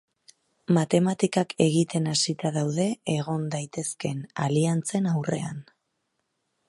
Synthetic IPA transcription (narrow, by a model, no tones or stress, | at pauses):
mat̪e̞mat̪ikakʰe̞ɣit̪e̞nasit̪aðawðe̞ːɣo̞nd̪ajt̪e̞ske̞na̰liant͡se̞nawre̞̰a̰n